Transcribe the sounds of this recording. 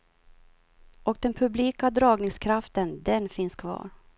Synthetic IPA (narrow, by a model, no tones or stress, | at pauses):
ʔɔk̚d̪ɛnpʰɵbliːkad̪ɾɑːɡnɪŋskʰɾaft̪ənd̪ɛnfɪnskʰvɑ̰ːɾ